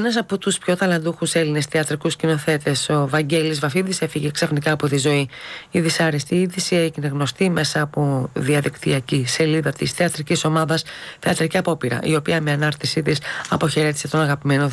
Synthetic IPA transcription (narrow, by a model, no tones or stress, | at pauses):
enɐs̬ɐpo̞t̪uspço̞t̪ɐlɐnd̪uxuse̞line̞sθeɐt̪ɾikuscino̞θe̞t̪e̞so̞vɐɲɟe̞lizvɐfiðisefiʝeksɐfnikɐːpo̞t̪izo̞iːðisɐɾist̪iiðisieʝine̞ɣno̞st̪ime̞sɐːpo̞ðiɐðikt̪iɐcise̞liðɐt̪isθeɐt̪ɾiciso̞mɐðɐsθeɐt̪ɾiciɐpo̞piɾɐ̰ʔio̞piɐmeɐnɐɾt̪isit̪isɐpo̞çe̞ɾe̞t̪i̥se̞t̪o̞nɐɣɐpime̞no